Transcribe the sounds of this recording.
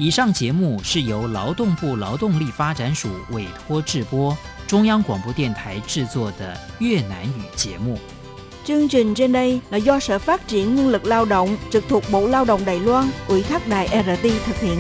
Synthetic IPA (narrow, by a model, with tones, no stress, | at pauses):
i˨˩ʂɑ˥˩ŋt͡ɕjɛ˨˧˥mu˥˧ʂɻ̩˥˩jo˧˥ʊlɑ˧˥ʊt̪ʊ˥˧ŋpu˥˩lɑ˧˥ʊt̪ʊ˥˧ŋli˥˩fa˥ʈ͡ʂa˧˥nʂu˨˩we˨˩ɪt̪ʰwɔ˥ʈ͡ʂɻ̩˥˩pwɔ˥ | ʈ͡ʂʊ˥ŋjɑ˥ŋkwɑ˨˩ŋpwɔ˥˧t̪jɛ˥˩nt̪ʰa˧˥˦ɪʈ͡ʂɻ̩˥˧t͡swɔ˥˩d̪ə˩ | jɥɛ˥˩na˧˥ny˨˩t͡ɕjɛ̰˧˦˥mu˥˩ | t͡ɕɨ˧əŋt͡ɕi˨˩ŋ̟t͡ɕe˧nɗə˧jlaː˨˩zɔ˧sə̰ː˧˥faː˦˥t̚t͡ɕi˨˧˩ənŋwi˧ənlɨ˨˩k̚laː˧wɗo̰˧˨wŋ͡mt͡ɕɨ˨˩k̚t̪ʰu˨˩ək̚ɓo̰˧˨laː˧wɗo̰˧˨wŋ͡mɗa̰ː˨˩jlwaː˧nʔwi˧˥t̪ʰa˦˥k̚ɗa̰ː˧˨jʔɛ˧ə˧˥t̪i˧t̪ʰɨ˨˩k̚hḭ˧˨ən